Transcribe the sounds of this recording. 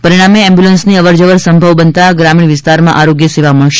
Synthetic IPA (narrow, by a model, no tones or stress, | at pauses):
pəɾiɽ̃ameɛ̃mbjulənsniəʋəɾd͡ʒəʋəɾsə̃mbʱəʋbənt̪aɡɾamiɳ̃ʋɪst̪aɾmã̰ʔaɾoɡjəseʋaməɭʃ